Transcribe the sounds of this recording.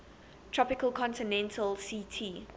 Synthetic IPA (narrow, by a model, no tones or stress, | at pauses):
tʰɹ̥ɔpɪkəlˠkʰɔ̃ntɪnɛ̃ntʰəlsitʰiː